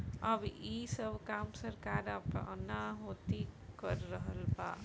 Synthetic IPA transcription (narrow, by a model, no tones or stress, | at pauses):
əbisəbʱkamsəɾkaɾəpə̰naɦot̪ikəɾːəɦəlba̰